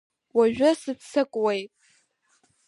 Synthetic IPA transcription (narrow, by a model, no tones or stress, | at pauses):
waʒᶣʊsɨpʰsʰɨkʷʼwejtʼ